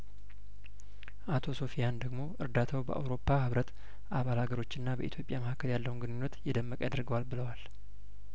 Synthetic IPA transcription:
ʔat̪ʰo̞so̞fijand̪əɡmo̞ʔɨɾd̪at̪ʰawbə̰ʔa̰wɾo̞pːahɨβɾət̪ | ʔaβalhaɡəɾo̞t͡ʃːɨnːabə̰ʔḭt̪ʰjo̞pʼjaməhakːəljalːəwunɡɨnɨɲːət̪jɪd̪əmːəkʼad̪əɾɡəwalbɨləwal

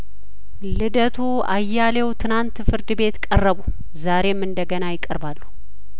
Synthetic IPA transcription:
lɨd̪ət̪ʰu | a̰jːalewt̪ʰɨnant̪fɨɾd̪ɨbe̞t̪kʼərːəβu | zaɾe̞mːɨnd̪əɡənajɪkʼːəɾbalːu

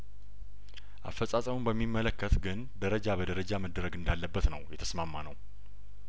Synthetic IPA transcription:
ʔa̰fːəsʼasʼəmumbəmːimːələkːət̪ɡɨn | d̪əɾəd͡ʒabəd̪əɾəd͡ʒaməd̪əɾəɡɨnd̪alːəbːət̪nəwjɛt̪ʰə̥smamːanə̰w

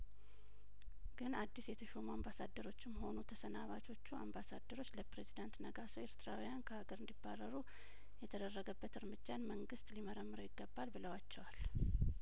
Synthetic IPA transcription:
ɡɨnad̪ːisjɛt̪ʰəʃomuambasad̪ːəɾo̞t͡ʃːɪmːho̞nut̪ʰəsənaβat͡ʃʰo̞t͡ʃːua̰mbasad̪ːəɾo̞t͡ʃːləpɾezid̪ant̪nəɡasoeɾt̪ʰɨɾawijankʰəhaɡəɾɨnd̪ibːarːəɾu | jɛt̪ʰəd̪ərːəɡəbːət̪ɨɾmɨd͡ʒːanməŋɡɨst̪liməɾəmːɨɾojɪɡːəbːalbɨləwat͡ʃːɛwal

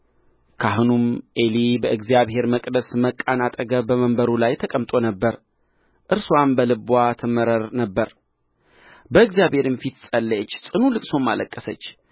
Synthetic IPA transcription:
kʰaɦunumʔelibəʔɨɡzjaβhe̞ɾməkʼd̪əsməkʼːanat̪ʼəɡəbəməmbəɾulajt̪ʰəkʼəmt̪ʼo̞nəbːəɾ | ʔɨɾswambəlɨbwat̪ʰɨməɾəɾnəbːəɾ | bəɨɡzijaβhe̞ɾɨnfit̪sʼəlːjɛt͡ʃːsʼɨnulɨkʼso̞mːa̰ləkʼːəsət͡ʃː

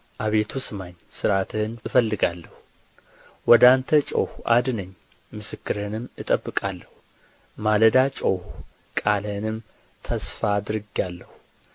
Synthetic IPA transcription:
ʔaβe̞t̪ʰusɨmaɲsɨɾat̪ʰɨnɨfəlːɨɡalːəhu | wɔd̪ant̪ʰət͡ʃʼo̰huʔa̰d̪nəɲː | mɨsɨkːɨɾɨnɨmːɨt̪ʼəbːɨkʼalːəhu | maləd̪at͡ʃʼowhu | kʼalənɨm | t̪ʰəsfaːd̪ɾɨɡjalːəhu

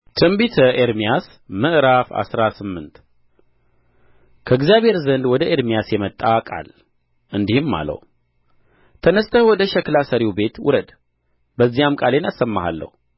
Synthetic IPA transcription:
t̪ʰɨmbit̪ʰəʔeɾmijas | mɨʔɨɾafa̰sɾasɨmːɨnt̪ | kʰəɨɡzijaβʱhe̞ɾzənd̪wɔd̪əʔeɾmijasjɛmət̪ʼːakʼa̰l | ʔɨnd̪ihɨmːa̰lə̰wu | t̪ʰənəst̪ʰəwɔd̪əʃɛklasəɾibe̞t̪wʊ̰ɾəd̪ | bəzːijamkʼalenasːəmːaha̰lːə̰hu

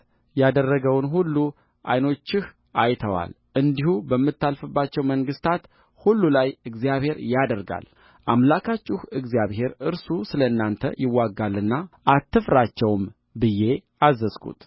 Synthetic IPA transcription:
jad̪ərːəɡəwnɦulːu | ʔajno̞t͡ʃːɪh | ʔajt̪ʰəwa̰l | ʔɨnd̪ihubəmːɨt̪ːalfɨbːat͡ʃːɛwməŋɡɨst̪ʰat̪ | hulːulajɨɡzijaβhe̞ɾjad̪əɾɡa̰l | ʔamlakʰat͡ʃʼːɪhɨɡzijaβhe̞ɾɨɾsusɨləɨnːant̪ʰə̰jɪwːaɡːalːɨnːaʔat̪ːɨfɾat͡ʃːɛwm | bɨjːe̞ | azːəzkʰṵt̪

